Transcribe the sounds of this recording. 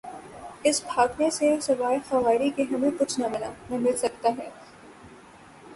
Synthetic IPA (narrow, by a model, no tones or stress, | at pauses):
ɪsbʱaːɡnesesɐʋaːɪxɐʋaːɪɾikeɦɐmẽkʊt͡ʃʰnamɪlanɐmɪlsɐk̚t̪aɦɛː